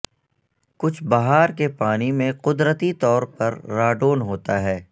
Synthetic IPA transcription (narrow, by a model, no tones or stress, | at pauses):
kʊt͡ʃʰbaɦaːɾkepaːnimẽqʊd̪ɾət̪it̪ɔːɾpɐɾːaːɖoːnɦoːt̪aɦɛː